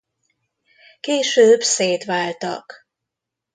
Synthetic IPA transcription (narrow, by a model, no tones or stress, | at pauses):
keːʃøːbseːt̪ʋaːlt̪ɒ̰k